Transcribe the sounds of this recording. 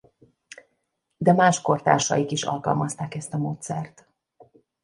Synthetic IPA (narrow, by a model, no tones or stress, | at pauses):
d̪ɛmaːʃko̞rt̪a̰ːrʃɒ̰jikiʃɒ̰lkɒ̰lmɒst̪aːkɛst̪ɒmoːt̪sɛrt̪